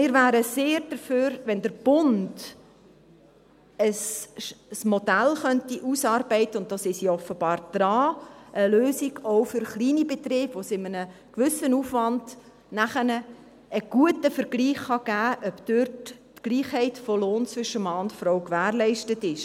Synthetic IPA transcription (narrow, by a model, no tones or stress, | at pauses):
mɪːɾʋæːɾəseːɾd̥əɾføːɾʋɛndəɾb̥ʊnd̥ | əs | smɔdælχœntiʔusɑːrbɛɪtəʊnt̚d̥ɑsɪʃjiɔfəbɑːɾd̪̥ɾɑːʔəløːsiɡɔwfʏɾχliːnibɛtrɪːb̥ʋosɪmənəkʋʏsənuːfʋɑnd̥ | næχənə | ʔːɡ̥uətəfəɾɡliːχχɑɡ̥æːʔœbd̥ørtː | ɡ̥liːχhɛɪtfɔloːnt͡sʋʏʃəmɑːʊntfɾɔwkʋæːrlɛɪʃtətɪʃ